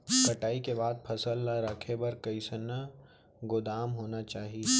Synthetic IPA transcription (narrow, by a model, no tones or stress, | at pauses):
kɐʈaːikebaːd̪̚pʰɐsəlːaɾɐkʰebɐɾkɐɪsənːə | ɡʊd̪aːmɦoːnat͡ʃaːɦie